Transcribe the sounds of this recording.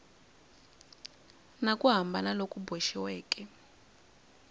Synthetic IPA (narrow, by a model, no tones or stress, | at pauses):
nakʼuɦambʱanalokʼubeʃiwɛːkʼɛ